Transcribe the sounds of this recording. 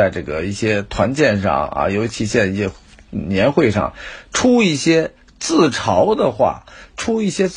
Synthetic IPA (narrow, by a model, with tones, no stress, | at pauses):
a˥˧ɪʈ͡ʂɤ̰˥˩ɡə˩i˥˩ɕjɛ˥t̪ʰwa˧˥nt͡ɕjɛ˥˧nʂɑ̰˥˩ŋɐ̰˧˩jo˧˥ʊt͡ɕʰi˧˥ɕjɛ˥˧ni˥˩ɛ˥ | njɛ˧˥nxwe˥˧ɪʂɑ̰˥˩ŋʈ͡ʂʰu˥i˥˩ɕjɛ˥ | t͡sɹ̩˥˩ʈ͡ʂʰɑ˧˥ʊd̪ə˨xwa̰˥˩ʈ͡ʂʰu˥i˥˩ɕjɛ˥